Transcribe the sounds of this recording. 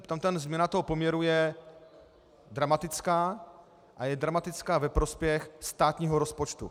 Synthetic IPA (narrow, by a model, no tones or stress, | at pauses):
t̪amt̪anzmɲɛnat̪oɦopomɲɛɾujɛ | dɾamat̪ɪt͡skaː | ʔajɛdɾamat̪ɪt͡skaːvɛpɾo̞spjɛxst̪aːt̪ɲiːɦoɾo̞spo̞t͡ʃt̪ṵ